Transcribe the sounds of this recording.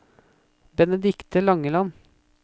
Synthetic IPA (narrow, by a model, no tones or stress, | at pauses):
bɛnəd̪ɪkt̪əlɑŋəlɑn